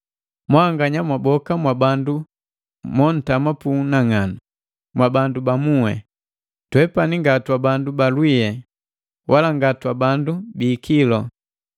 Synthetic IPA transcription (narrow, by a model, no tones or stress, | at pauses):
mwaŋɡaɲamwabɔkamwabandu | mɔn̩tamapunaŋanu | mwabandubamuwɛ̰ | twɛpaniŋɡatwabandubalwijɛ | wʔalaŋɡatwabandubiːkilɔ